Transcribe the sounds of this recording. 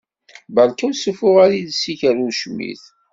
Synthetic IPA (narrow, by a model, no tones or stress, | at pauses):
bəlkæwsəfʊʁaɾiðsiçəɾuʃmḭθ